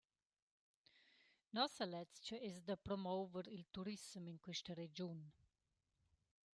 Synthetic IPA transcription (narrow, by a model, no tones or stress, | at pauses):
nɔsalɛt͡st͡ʃəɛsd̪apɾɔmɔwvəɾilt̪uɾismiŋkwiʃtəɾed͡ʒun